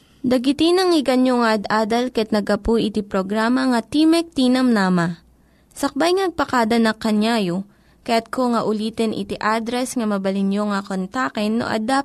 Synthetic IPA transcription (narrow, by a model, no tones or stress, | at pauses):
d̪ɐɡɪt̪ɪnɐŋɪɡɐnjoŋɐʔɐd̪ʔaːd̪ɐlkɐɛt̪̚nɐɡɐpujʔɪt̪ipɾoɡɾaːmɐŋɐt̪imɛk̚t̪iːnɐmnaːmɐ | sɐk̚bajŋnɐɡ̚pɐkaːd̪ɐnɐŋkɐnjajo | kɐjat̪̚koŋɐʔʊliːt̪ɛnʔɪ̰t̪ɪʔaːd̪ɾɛsŋɐmɐbɐlɪnjoŋɐkont̪akɛnːo̰ʔɐ̰d̪a